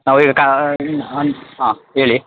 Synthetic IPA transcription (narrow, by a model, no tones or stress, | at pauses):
naːʋiːɡɐka | nɦãːɦeːɭi